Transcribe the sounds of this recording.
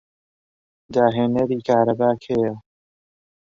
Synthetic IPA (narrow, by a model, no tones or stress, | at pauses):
d̪aːɦeːnɐɾiːkʰaːɾɐbaːkʰhejɐ